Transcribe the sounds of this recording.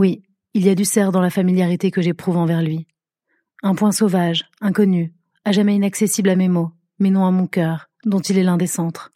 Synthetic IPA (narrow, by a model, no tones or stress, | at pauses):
wi | ilijad̪ysɛʁd̪ɑ̃lafamiljaʁit̪ekəʒepχuvɑ̃vɛʁlɥi | ɛ̃pwɛ̃sovaʒɛ̃kɔny | aʒamɛinaksesiblamemo | mɛnɔ̃amɔ̃kʲœːʁ | d̪ɔ̃t̪ilɛlɛ̃d̪esɑ̃t̪χ